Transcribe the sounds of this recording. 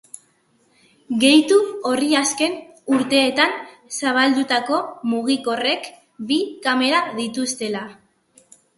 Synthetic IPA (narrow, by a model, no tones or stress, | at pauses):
ɡe̞jt̪uoriaske̞n | uɾt̪e̞ːt̪an | saβ̞ald̪ut̪ako̞muɣ̞iko̞re̞k | bikame̞ɾaðit̪ust̪e̞la